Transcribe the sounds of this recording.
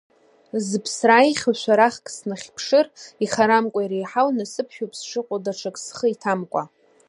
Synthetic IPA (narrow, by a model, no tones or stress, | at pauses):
zɨpʰsraiχʲʃʷʰᶣaɾaχkʼsnaχʲpʰʂɨriχaɾamkʷʼajɾejħawnasɨpʰʃᶣopʰʼsʂʰɨqʷʼadaʈ͡ʂʰakʼsχəitʰamkʷʼa